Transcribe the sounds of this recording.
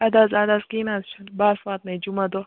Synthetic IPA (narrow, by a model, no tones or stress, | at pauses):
ɐd̪azaːd̪askinazt͡ʃʰɐnbaːsʋaːt̪̚nɐjd͡ʒumɐd̪o